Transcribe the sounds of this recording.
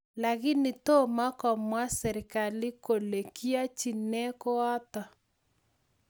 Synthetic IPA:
la˨ɣi˦ni˨to˦ma˦kɔ˨mwa˦sɛ˨ɾi˨ka˨li˦ko˨le˨ki˦a˦t͡ʃi˨nɛ˦ko˦a˦tɔ˨

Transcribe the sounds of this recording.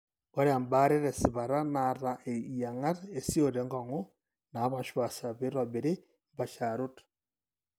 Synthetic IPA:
kɔ˦ɾe˦a˨mba˦ɾe˦ɾɛ˨sɪ˨βa˨ɾa˦na˨ɾa˨ʔe˨ja˨ŋa˦ɾe˨si˦o˦˨ɾe˨˦ŋɡɔ˨ŋo˦ | na˨˦βa˨ʃwa˨sa˨βe˦ɾɔ˨bi˨ɾi˦ | mba˨ʃa˨ɾu˦t

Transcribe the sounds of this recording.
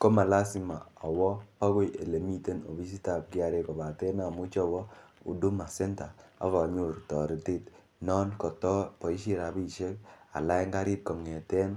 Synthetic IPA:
ko˦ma˨la˦si˨ma̰˨a˨wɔ˦pa˦ɡo˦je˨le˨mi˦te˦no̰˨bi˦s̬i˦ta˨p̚ki˦a˨ɾe˦kɔ˨ba˨tɛ˦na˨mu˦t͡ʃɔ˦bɔ˦ṵ˨du˦ma˨sɛ˦nta˨a̰˨˦βa˨ɲu˨ɾtɔ˨ɾi˨te˦˨t | nɔ˦nkɔ˨tɔ˦pɔ˨i˦ʃi˦ɾa˨˦bi˦˨ʃe˦ka̰˨la˦jŋɡa˦ɾi˦t̚kɔ˨ŋe˨tɛ˦n

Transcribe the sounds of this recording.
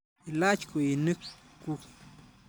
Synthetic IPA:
i˨la˦t͡ʃku˨ji˨nɨ˦k | ku˦k

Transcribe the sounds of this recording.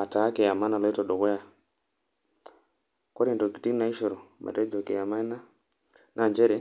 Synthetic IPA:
a˨ta˨˦ke˨a˨ma˦na˨lɛ˦tɔ˨dɔ˨ɣɔ˦ja˨ | kɔ˦ɾɛ˨ntɔ˨ki˨ti˦na˦i˦ʃɔ˨ɾɔ˨mʔa̰˨tɛ˦d͡ʒɔ˨ke˨ja˨ma˦na˦ | nʔa˨ɲd͡ʒɛ˦ɾɛ˨˦

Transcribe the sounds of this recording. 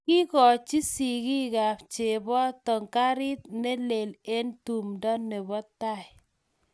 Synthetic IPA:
ki˦kɔ˨t͡ʃi˦si˨ɡi˦ɡa˨t͡ʃe˨bɔ˦tɔ˨ŋka˦ɾɪ˦t̪̚ne˦le˨le˦ntu˨mdɔ˦nːe˨bɔ˦t̪a˦˨ɪ˨

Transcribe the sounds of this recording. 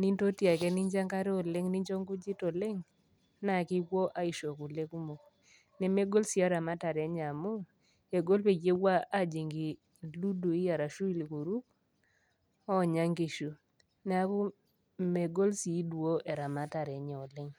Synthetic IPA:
ni˦nto˦tja˨kɛ˦ni˦ɲd͡ʒa˦ŋka˦ɾe˦ɔ˨lɪ˦ŋni˦ɲd͡ʒo˦ŋɡu˦d͡ʒi˦tɔ˨le˦ŋ | na˨kɪ˦kwo˦ʔa˦i˨ʃo˨ku˨le˦ku˦mo˨k | nɛ˨me˦ɡo˦lsi˨a˦ɾa˨ma˦ta˨ɾɛ˨˦ɲa˨mu˦ | e˨ɡo˦lpe˨ɡe˦wa˦a˦d͡ʒi˨ŋɡi˨ | lu˦du˨i˦ja˨ɾa˨ʃu˦i˦li˨ku˨ɾu˦k̚ | ɔ˦˨ɲa˦ŋɡi˨ʃu˨ | nɛ˨a˦ku˦ | me˨ɡo˦lsi˨˦dwo˦ʔɛ˨ɾa˨ma˦ta˨ɾɛ˨˦ɲɛ˨ɔ˨lɪ˦ŋ

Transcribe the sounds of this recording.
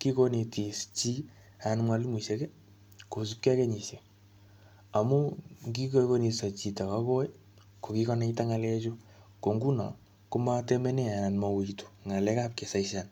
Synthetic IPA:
ki˦ko˦ne˨ti˨st͡ʃi˦ | anmwa˨li˦mi˨ʃe˦kɛ˦ | ko˨s̬u˦p̚ka˦ke˦ɲi˨se˨ | a˨mu˦ŋɡi˦ko˦ko˦ni˨sa˨t͡ʃi˨ta˨ka˦ko˦ | ko˨ki˦kɔ˦na˦ita˦ŋa˨lɛ˦t͡ʃo˦ | ko˨ŋɡu˦na̰˨ | ko˦ma˦tɛ˦mɛ˦ne˦a˨na˨nma˨wu˨itu̥˨ŋa˨lɛ˦ka˦p̚ke˨sa˨iʃa˨n

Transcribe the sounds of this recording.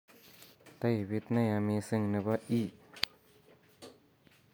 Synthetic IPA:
t̪a˧˩jwi˧t̪̚na˥˧ja˧mi˧sɯ˧˨ŋnɯ˧ba˦˧ʔi˦˧˩

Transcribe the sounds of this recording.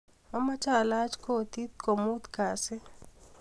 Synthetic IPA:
ma˦ma˦t͡ʃa˦la˦t͡ʃko˦t̪i˦t̪̚ko˨mu˦t̪ka˨sɪ˦

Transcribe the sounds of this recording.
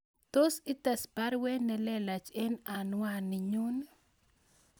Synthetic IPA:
t̪o˦si˦ta˨spa˦ɾwɛ˦nɛ˨lɛ˦la˨t͡ʃe˦na˨nwanɪ˨ɲu˦n

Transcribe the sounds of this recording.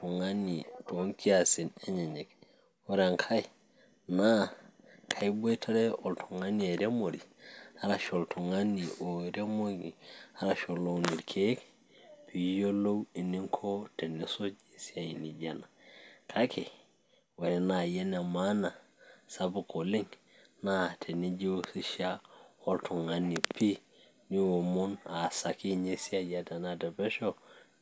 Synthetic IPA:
tu˨ŋa˦nito˦ŋki˦asi˨neɲe˨ɲe˨k̚ | wo˦ɾe˨ŋkʰa˦ji | na˦ | kʰa˨jbo˦jtʰa˦ɾeo˨ltʰo˨ŋa˦nie˨ɾe˦mo˨ɾiha˦ɾa˨ʃo˨ltʰo˨ŋa˦ni˨ʔo˨ɾe˦mo˦ɡi˨halaʃo˨lːo˨wni˨ɾkʰek | pʰi˨jo˦lo˦wi˨ni˦ŋkʰo˦te˨ni˨˦so˦d͡ʒe˨si˦a˨i˨ni˨d͡ʒa˨na˨kʰa˦kʰe˨ | we˨ɾi˨na˨je˦ne˨ma˦na˨ | sa˦bu˨ko˨li˦ŋ | na˦tʰe˨ni˦d͡ʒi˦wsi˦ʃa˦o˦ltu˨ŋa˨ni˨pʰi˦ | ni˦o˨mu˦na˨sa˨ki˦ɲe˦si˦a˨ja˦te˨na˦te˨be˦ʃo˦

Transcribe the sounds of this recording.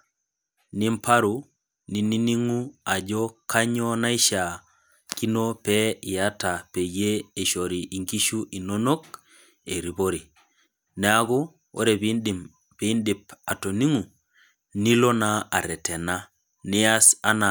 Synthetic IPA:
ni˦mpa˦ɾu˨ | ni˨ni˦ni˦ŋu˦a˨d͡ʒo˦ka˦ɲo˦na˦i˦ʃa˨ | ki˦no˦pe˦i˨a˦ta˨pe˨jeː˦˨ʃo˨ɾi˨ʔi˨ŋɡi˦ʃu˦ʔi˨no˦no˦k | e˨ɾi˨bo˦ɾi˨ | ne˨˦a˦ɡu˦ | o̰˦ɾe˨b | b̥i˦ndi˨p̚a˨to˨ni˦ŋu˨ | ni˦lo˦na˦a˨ɾɛ˨te˨na˦ | ni˦a˦sa˦na˨

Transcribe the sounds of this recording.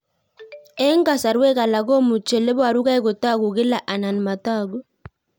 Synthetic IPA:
ɛ˦ŋ˦ɡa˨sa˨ɾwɛ˦ka˨la˨ɡo˦mu˨t͡ʃe˨le˦bwa˨ɾu˦ka˦i˦ɡo˨ta˦ɡu˨ɡɪ˦la˨ʔa˨na˨n˨ma˨ta˦˨ɡo˦

